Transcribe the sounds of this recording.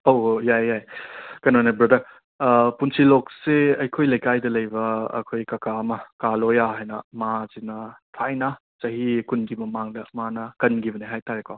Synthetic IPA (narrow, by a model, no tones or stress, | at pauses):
owjajːajkɐnonebɾɐdɐɾ | punsilokseɐjkʰojlɐjkajdɐlɐjbɐ̰ːkʰojkɐkaɐmɐkalojaɦajnɐ̰mazinɐtʰajna | sɐɦikunɡimɐmaŋdɐmanɐkɐnɡibɐneɦajtaɾekʰaw